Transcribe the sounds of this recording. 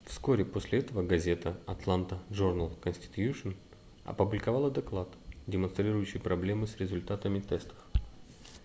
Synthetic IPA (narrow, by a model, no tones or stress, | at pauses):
fsko̞ɾʲɪposʲlʲɪɛt̪əvəɡɐzʲe̞t̪əɐt̪lˠant̪əʐurnəlˠkənsʲtʲɪ̥t̪juʂən | ɐ̰pʊblʲɪkɐvalˠəd̪ɐklˠat̪dʲɪmɐnst̪ɾʲiɾʊjʉɕːɪjpɾɐblʲe̞mɨsɾʲɪzʊlʲt̪at̪əmʲɪt̪ɛst̪ə̥f